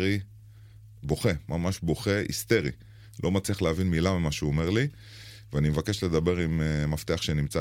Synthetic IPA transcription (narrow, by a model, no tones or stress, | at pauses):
i | bo̞χe̞mamaʃbo̞χe̞ʔḭst̪e̞ʁi | lʔo̞mat͡sliaχleavinmilamamaʃeuome̞ʁli | veanimevake̞ʃle̞d̪abe̞ʁimemaft̪eaχʃenimt͡sa